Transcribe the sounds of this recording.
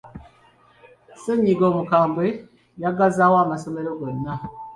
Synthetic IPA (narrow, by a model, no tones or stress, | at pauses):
seɲiɡomukaːmbwe | jaɡazawamasomeɾoɡonːa